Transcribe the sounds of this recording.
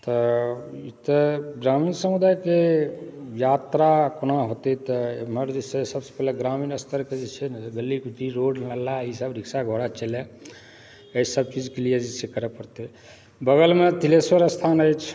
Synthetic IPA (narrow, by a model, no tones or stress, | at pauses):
t̪ɔit̪əɡɾaminsəmud̪ajke | jat̪ɾakonaɦot̪et̪ɔeməɾd͡ʒesesəbse̥pɛleɡɾaminəst̪ʰəɾked͡ʒet͡ʃʰeɡəlːikut̪iɾoɖlalaisabɾiksaɡʱoɽat͡ʃəle | əsəb̚t͡ʃid͡ʒkelijed͡ʒesʰekəɾepəɾt̪e | bəɡəlmet̪ileswəɾəst̪ʰanəjt͡ʃʰ